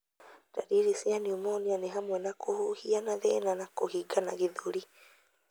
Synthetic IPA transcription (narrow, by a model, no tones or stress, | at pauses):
da̰ɾiɾesianiomonianeɦamwɛnakʰohohianaðɛnanakohiɡanaɣeðoɾi